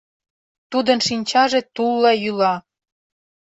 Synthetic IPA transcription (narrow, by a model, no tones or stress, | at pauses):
t̪ud̪ənʃinʲt͡ɕɑʒĕt̪ulːejylɑ